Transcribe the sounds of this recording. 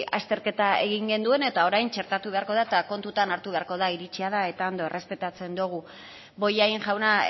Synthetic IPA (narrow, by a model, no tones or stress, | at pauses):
ast̪e̞ɾke̞t̪ae̞̰ɣ̞iŋɡe̞nd̪ue̞ne̞t̪ao̞ɾajnt͡ʃe̞ɾt̪at̪uβ̞e̞aɾko̞ð̞aet̪ako̞nt̪ut̪anaɾt̪uβ̞e̞aɾko̞ðaiɾit͡ʃiað̞ae̞t̪ao̞nd̪o̞e̞re̞spe̞t̪at͡se̞nd̪oɣ̞u | bo̞jaiŋʝawna